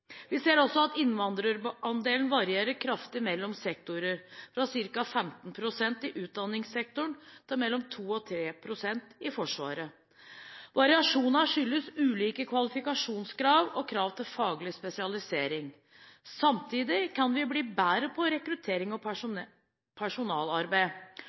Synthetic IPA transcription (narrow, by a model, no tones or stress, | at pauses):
ʋɪseːɾɔsɔɑt̪ɪnʋɑnd̪ɾəɾɑnd̪eːln̩ʋɑɾɪeːɾəkʰɾɑft̪ɪmɛlːɔmsɛk̚t̪ʊɾəɾfɾɑsɪɾkɑfɛmt̪n̩pʰɾʊsɛnt̪ɪʔʉːt̪̚d̪ɑnːɪŋsɛk̚t̪ʊɳt̪ʰɑːɾmɛlːɔmt̪ʰuːɔt̪ʰɾeːpʰɾʊsɛnt̪ɪfɔʂʋɑ̰ːɾə | ʋɑɾɪɑʂuːnɑʂʏlːəsʉːliːkəkʰʋɑlɪfɪkɑʂuːnskɾɑːʋɔkʰɾɑːʋt̪ʰɪlfɑːɡlɪspɛsɪɑlɪseːɾɪŋ | sɑmt̪ʰiːd̪ɪkʰɑnʋɪbliːbæːɾəpʰɔɾɛkɾʉt̪ʰeːɾɪŋɔ | pʰæʂʊnɑːlɑɾbæɪ